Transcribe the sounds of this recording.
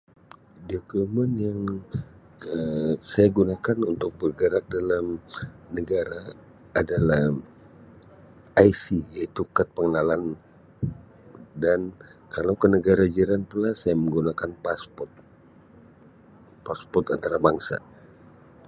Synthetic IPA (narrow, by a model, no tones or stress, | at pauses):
dokumənjaŋ | əsajaɡunakanunt̪ʊk̚bərɡəɾak̚dalamnəɡaɾaː | dalah | ajsijait̪ukat̪̚pəŋənalan | dankalawkənəɡaɾad͡ʒiɾanpulasajaməŋɡunakanpaspɔrt̪̚ | paspɔt̪ant̪aɾabaŋsa̰